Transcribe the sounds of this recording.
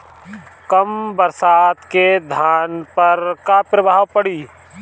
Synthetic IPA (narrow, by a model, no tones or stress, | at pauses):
kəmbəɾsaːt̪ked̪ʱaːnpəɾkapɾəbʱaːwpəɽiː